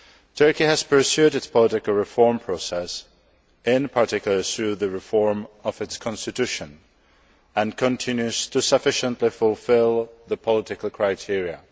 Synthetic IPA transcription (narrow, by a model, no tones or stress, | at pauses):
tʰɜ˞kiəz̥pʰə˞sjʉɾɨtspʰəlɪɾɨkl̩ˠɹɪfɔɹmpʰɹ̥osɛs | ɪ̃npʰəɹtɪkjl̩ˠə˞θɹʉðɨɹɪfɔɹmʌvɨtskʰɑ̃nstɨtʰʉʃə̃n | ə̃nkʰə̃ntʰɪ̃njʉz̥tʰɨsəfɪʃə̃nʔlifʊlˠfɪlˠðəpʰəlɪɾɪkəlˠkʰɹ̥aɪtʰɪɹiə